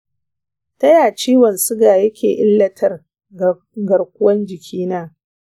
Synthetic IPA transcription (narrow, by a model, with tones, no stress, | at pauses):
tɐ˦jaː˨t͡ʃiː˦wɐ˨nsʊ˦ɡaː˨jɐ˦kʲeː˨ʔɪ˦lːɐ˦tʰɐ˦r | ɡɐ˨rkʷʊ˦wɐ˦nd͡ʒɪ˨kʲʰiː˦naː˦